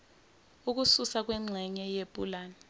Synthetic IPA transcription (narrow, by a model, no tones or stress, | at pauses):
uk̬ususak̬wɛŋ͡ǀʱɛɲɛjepʼṵlaːnɛ